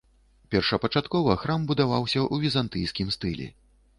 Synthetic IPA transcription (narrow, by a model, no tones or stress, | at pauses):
pʲɛrʂɐpɐt͡ʂat̪kɔvɐxɾambud̪avawsʲɐʔuvʲizant̪ɨjskʲimst̪ɨlʲɛ̰